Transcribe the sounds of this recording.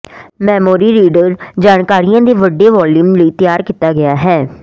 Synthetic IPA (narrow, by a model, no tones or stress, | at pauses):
mɛːmoːɾiːɾiːɖəɾd͡ʒaːnkaːɾɪjãːd̪eːʋəɖːeːʋɔːluːmləiːt̪ɪjaːɾkɪt̪aːɡɪaːɦɛː